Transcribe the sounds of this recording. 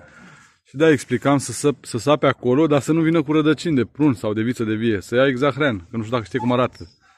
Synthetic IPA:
ʃid̪eaeksplikamssəsapeako̞lo̞d̪asənuvinəkuɾəd̪ət͡ʃind̪e̞pɾunsawd̪e̞vit̪səd̪e̞vije̞səjaeɡzaxɾenkənuʃt̪ud̪akəʃt̪ijekumaɾat̪ʰə

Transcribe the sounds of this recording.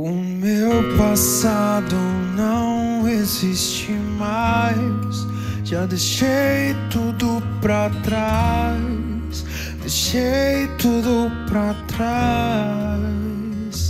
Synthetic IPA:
ʊ | mewpasad̪ʊ | nɐ̃w̃w̃ | ezist͡ʃ | i | majs | ʒad̪eʃejt̪ud̪ʊpɾat̪ɾaj | s | d̪eʃejt̪ud̪ʊpɾat̪ɾa | s

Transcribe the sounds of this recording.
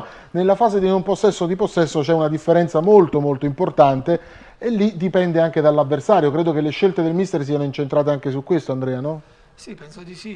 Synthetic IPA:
nelːafaːzed̪inomposːɛsːod̪iposːɛsːot͡ʃɛunad̪ifːeɾɛnt̪samolt̪omolt̪oimport̪ant̪e | elːid̪ipɛnd̪eaŋk̟ed̪alːavːersaːɾjokɾeːd̪okelːeʃːelt̪ed̪elmist̪ers̬ianoint͡ʃent̪ɾaːt̪eaŋk̟esukwest̪oand̪ɾɛːanɔ | sipɛnsoii

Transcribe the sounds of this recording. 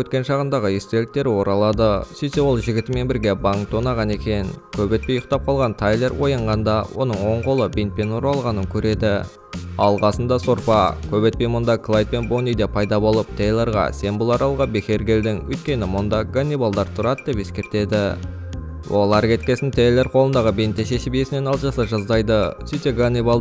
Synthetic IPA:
ɵt̪kʲe̞nʃɑʁənd̪ɑʁəje̞st̪e̞lɪk̚t̪e̞ɾɪwo̞ɾɑlˠɑd̪əsejsewo̞lˠʒɪɡʲɪt̪ɪme̞nbɪɾɡʲe̞bɑŋt̪onɑʁɑne̞kʲe̞nkʲʰɵbe̞t̪̚pejʊq̚t̪ɑp̚qʰɑlˠʁɑnt̪ʰajlˠe̞rwo̞jɑɴʁɑnd̪ɑwʔo̞̰nəɴwo̞ɴqo̞lˠəbent̪pe̞noɾɑlˠʁɑnəŋkʲʰɵɾe̞d̪ɪ | ɑlˠqɑsənd̪ɑso̞ɾpɑkʲʰɵbe̞t̪̚pe̞jmʊnd̪ɑkʰlˠajt̪̚pe̞nbonijd̪epʰɑjd̪ɑbo̞lˠəp̚t̪ʰejlʲˠe̞ɾʁɑ̰se̞nbʊlˠɑɾɑlˠʁɑbexʲe̞ɾɡʲe̞ld̪ɪŋɵ̰jt̪̚kʲe̞nɪmʊnd̪ɑɡanʲːibalˠd̪ɑɾt̪ʰʊɾɑd̪əd̪e̞pe̞skʲe̞ɾt̪e̞d̪ɪ | wʔo̞̰lˠɑɾkʲʰe̞t̪kʲe̞sɪnt̪ʰejlʲe̞rqʰo̞lˠənd̪ɑʁəbejnt̪ːeʃeʃɪbije̞sɪne̞nɑlˠʒɑsɑʒɑzd̪ɑjd̪əsijt̪eɡanʲːibalˠ

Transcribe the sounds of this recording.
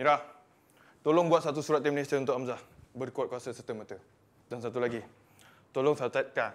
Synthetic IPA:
miɾah | t̪oloŋbuat̪̚sat̪usuɾat̪̚ːimnesəunt̪ʊkʔamzahbərkuat̚kuasəsət̪əmət̪ə | dansat̪ulaɡi | t̪oloŋsat̪at̪̚ka

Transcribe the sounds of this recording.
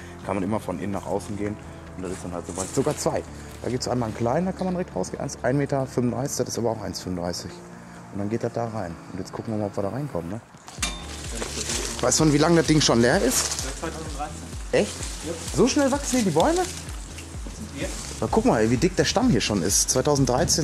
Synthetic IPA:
kʰanmanʔɪmɐfɔnʔɪ̰nənːa̰ːχʔa̰ʊsn̩ɡeːən | ʊntd̥atɪstd̥anhaltz̥ovaɪz̥oɡaːt͡sv̥aɪ | d̥a̰ːɡiːtsa̰ɪnmankʰl̥aɪnəndaːkʰanmanʁɛçtʁa̰ʊsɡ̥ḛːnʔa̰ɪnsʔaɪnmeːtɐfʏnmʊndʁaɪsɪ̥çd̥atɪstʔaːbɐaʊxʔaɪnsfʏmʊndʁaɪsɪç | ʔʊntd̥anɡeːtd̥at̚d̥aːʁaɪnʊntjɛt͡skʰʊkŋ̩viːɐmaːlʔɔpv̥iɐɾaːʁaɪnkʰɔmtnə | vaɪstmanviːlaŋdas̚d̥ɪŋʃoːnleːɐɪsttʰdʁaɪ | ʔɛçtzoʃnɛlvaksn̩hiːɐdiːbɔʏmə | vaɪkʰʊkŋmaːlviːdɪk̚d̥eːɐʃtamhiːɐʃoːnɪ̰stt͡svaɪtʰaʊzn̩t̚d̥ʁaɪt͡seːn

